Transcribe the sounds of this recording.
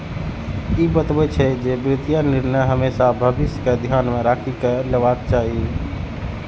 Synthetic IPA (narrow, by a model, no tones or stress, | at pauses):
ibət̪bɛt͡ʃʰɛd͡ʒebɾɪt̪ijanɪɾnəjɦəmesabʱəbɪsjəked̪ʱjaːnmẽɾaːkʰikeleʋakt͡ʃaɦi